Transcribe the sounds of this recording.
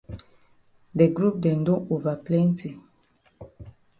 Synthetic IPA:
dɛ˨ɡɾu˦p̚dɛ˨ndõ˦ʔo˨va˨plɛ̃˦nti˨

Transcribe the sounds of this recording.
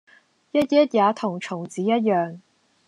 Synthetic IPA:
jɐ˥t̚jɐ˥t̚jaː˨˧t̪ʰʊ˨˩ŋt͡ʃʰʊ˨˩ŋt͡siː˨˧˥jɐ˥t̚jœː˨ŋ

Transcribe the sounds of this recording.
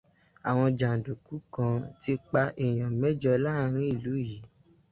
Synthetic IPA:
a˨w̃ɔ̃˧d͡ʒa˨n̩˨du˨ku˨˦kã˧ti˧k͡pa˧ʔe˨j̃ã˨mɛ˦d͡ʒɔ˧la˦˨ɾ̃ĩ˦i˦˨lu˨˦ji˨˦

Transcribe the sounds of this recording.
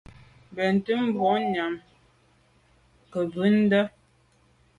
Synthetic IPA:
bɛ˨n˨tə˦m̩˦bɔ˨˦ɲa˨m | kə˨bʉ˦n̩˦də˦

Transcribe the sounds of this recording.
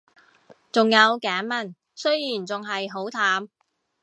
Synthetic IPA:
t͡sʊ˨ŋjɐ˨˧wkaː˨˥nmɐ˨˩n | sɵ˥ɥjiː˨˩nt͡sʊ˨ŋɦɐ˨jɦo˨˥wt̪ʰaː˨˥m

